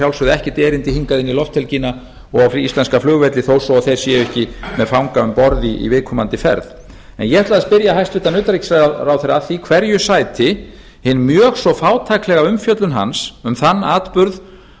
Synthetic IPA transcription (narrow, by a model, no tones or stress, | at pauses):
jawlsʏðɛhcɛt̪ɛːɾɪnt̪ɪhiŋkaðɪnilɔft̪ʰɛlcina | ɔɣafislanskaflʏːɣvɛt̪lɪθoːwsɔθejɾ̥sjɛɛhcɪmɛðfawŋkaʏmpɔɾðiḭvɪðkʰɔmant̪ɪfɛ̰ɾð | ɛ̰njɛhɛt̪laðspɪɾjaɦajst̪vɪht̪anʏːt̪aɾicsrawθɛɾaθikʰvɛɾjʏsaːjt̪ʰɪ | hɪnːmjœːɣsɔfaːwt̪ʰaklɛɣaʏmfjœt̪lʏnɦa̰nsʏmθanːaːt̪pʏɾð